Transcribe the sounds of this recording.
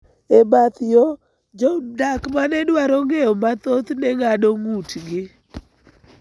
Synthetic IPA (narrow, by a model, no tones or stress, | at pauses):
ebat̪jo | d͡ʒɔdakmanɛdwaɾɔŋeɔmat̪ot̪nɛŋadoŋutɡɪ